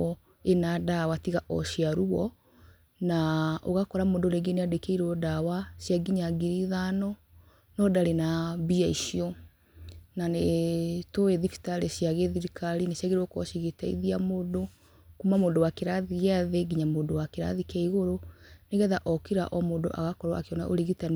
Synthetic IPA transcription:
ɔ | enadawatiɣaʔɔ̰ʃijaɾuɔ | nao̰ɣakɔɾamoːndoɾeɡeneadekeiɾɔdawasjaɡiɲaɡiɾiðanɔ | nɔdaɾenabiaiʃiɔ | nanetoeðifi̥taɾeɕjaɣeðiɾikʰaɾinasjaɣeɾwɔkɔ̰ʃiɣetaḭðiamoːdo | kumamoːdowakeɾaðiɣaðeɡiɲamoːndowakeɾa̰ðikɛiɣoɾoneɣɛðaʔɔkiɾa̰ʔɔmoːndo̰ʔa̰ɣakɔɾwaakeɔna̰ʔoɾeɣita

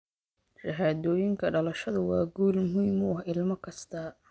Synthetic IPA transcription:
ʃɐɦaːðɔːjɪŋkʰɐɖɐlɐʃɐðʊwɑːɡuːlmʊɦiːmʊɐhɪlmɐkʰɐst̪ʰɐ

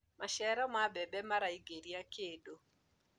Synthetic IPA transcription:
maʃɛɾɔmabɛbɛmaɾaiɡeɾiakedo

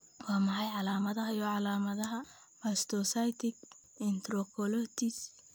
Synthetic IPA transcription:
wɑːmɑħɑjʕɑlaːmɐðɐɦɐjɔʕɑlaːmɐðɐɦɐ | mɐst̪ʰɔsajt̪ʰɪk | ɪnt̪rɔkʰɔlɔt̪ʰɪs

